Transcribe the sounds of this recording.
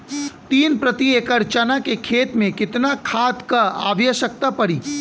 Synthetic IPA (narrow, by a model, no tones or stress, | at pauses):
t̪iːnpɾɐt̪ieːkəɾt͡ʃanakekʰeːt̪mẽkɪt̪nakʰaːt̪kaa̰ːʋjəʃək̚t̪apɐɽiː